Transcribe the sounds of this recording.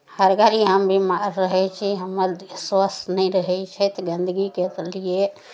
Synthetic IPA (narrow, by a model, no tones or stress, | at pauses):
həɾɡaɾiɦəmbʱimaɾːəɦɛt͡ʃʰiɦəmːəɾswəsnəiɾəɦɛt͡ʃʰɛt̪ɔɡənd̪əɡiket̪lije